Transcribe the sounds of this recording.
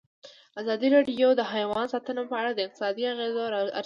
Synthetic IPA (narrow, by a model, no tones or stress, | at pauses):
azɑd̪iɾɑɖijod̪əɦajwɑnsɑt̪ənopəaɽad̪əɪq̚t̪ɪ̥sɑd̪iaɣezoɾa̰ɾ